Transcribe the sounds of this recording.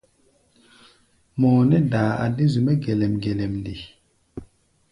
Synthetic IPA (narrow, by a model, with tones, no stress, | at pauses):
mɔː˨nɛ˦daː˨a̰˨di˦zu˨mɛ˦ɡe˨lɛ˨mɡe˨lɛ˨mndi˨